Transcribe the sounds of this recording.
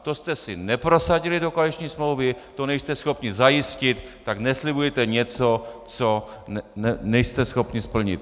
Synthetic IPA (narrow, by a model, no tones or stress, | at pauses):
t̪ost̪ɛsɪnɛpɾo̞saɟɪlɪdo̞koalit͡ʃɲiːsmlowvɪt̪o̞nɛjst̪ɛsxo̞pɲɪzajɪscɪt̪ːaɡnɛslɪbujɛt̪ɛɲɛt͡so̞t͡so̞ | ɛnɛjst̪ɛsxo̞pɲɪspl̩ɲɪ̰t̪